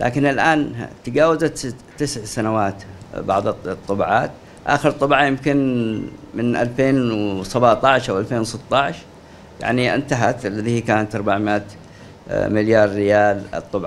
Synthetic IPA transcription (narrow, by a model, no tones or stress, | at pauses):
lʔa̰ːkɪnɪlʔaːnt̪aɡaːwazat̪ː | ɪsʕsanawaːt̪bɑʕðˤt̪ˤːɑbʕaːt̪ | ʔa̰ːxəɾt̪ˤːɑbʕɑjɪmkɪn | mɪnʔa̰lfeːnsabaʕt̪ˤɑʕʃʔawʔalfeːnwsɨt̪ˤːɑʕʃ | ja̰ʕniʔɪ̰nt̪aɦat̪lːaðihikaːnat̪ʔɑɾˤbaʕmɪʔaːt̪ | mɪljɑːɾˤːɪjaːl̰t̪ˤːʊbʕ